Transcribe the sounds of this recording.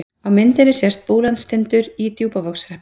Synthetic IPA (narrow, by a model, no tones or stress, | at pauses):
awmɪnt̪ɪnɪsjɛr̥st̪̚poːlant̪st̪ʰɪnt̪ʏɾit̪juːpavɔksɾɛhp